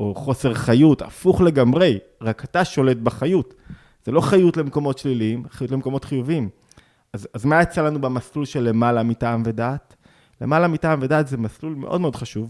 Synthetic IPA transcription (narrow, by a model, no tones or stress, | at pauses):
o̞χo̞se̞ʁχajuta̰fuχle̞ɡamʁe̞j | ʁakataʃo̞le̞t̚baχajut | z̥elo̞χajutle̞mko̞mo̞tʃliliimχajutlemeko̞mo̞tχijuvim | azazmajet͡salanubamaslulʃe̞lːe̞malamitaːmve̞daːt | le̞malamitaːmvedaːtzemaslulme̞̰ʔo̞d̪meod̪χaʃuv